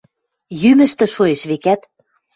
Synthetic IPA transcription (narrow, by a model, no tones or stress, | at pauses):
jymɘ̆ʃt̪ɘ̆ʃoeʃβekæt̪